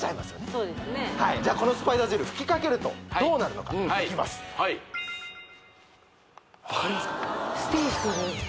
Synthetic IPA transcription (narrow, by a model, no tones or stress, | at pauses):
saimasɨ̥onesoːd̪esɨnehaid͡ʑaːko̞no̞sɨ̥paid̪azɯɾɯ̟ɸɯ̟̥kʲi̥kake̞ɾɯ̟t̪o̞̰ad̪o̞ːnaɾɯ̟no̞ka̰kʲima̰sɨ̥i | akaɾiasɨ̥t̪esi̥t̪oɡe